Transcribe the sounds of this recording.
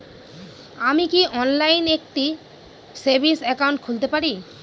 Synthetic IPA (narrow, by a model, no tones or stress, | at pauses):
amikiʔɔnlajnek̚ʈi | seɾbʱisɛkauɳʈ̚kʰult̪epaɾi